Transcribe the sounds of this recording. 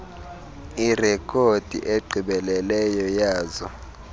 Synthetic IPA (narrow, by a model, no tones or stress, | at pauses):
irɛkʼʰod̥ʱḭʔeǃʱiɓɛlɛlɛjɔjaːzɔ